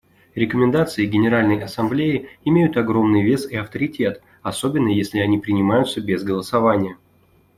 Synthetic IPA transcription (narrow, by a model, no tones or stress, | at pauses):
ɾʲɪkəmʲɪnd̪at̪sɨɪɡʲɪnʲɪɾalʲnəjʔɐsɐmblʲejɪɪmʲejʊt̪ɐɡɾo̞mnɨjvʲe̞sɪɐft̪əɾʲɪtʲe̞t̪ | ɐso̞bʲɪnːəjesʲlʲɪɐnʲipɾʲɪnʲɪmajʊt̪səbʲezɡəlˠəsɐvanʲɪjə